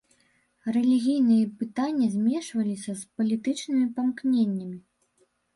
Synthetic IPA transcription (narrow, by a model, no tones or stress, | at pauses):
rɛlʲiɣʲijnɨjɐpɨt̪anʲːɐzʲmʲɛʂvɐlʲisʲɐspɐlʲit̪ɨt͡ʂnɨmʲipɐmknʲenʲːɐmʲi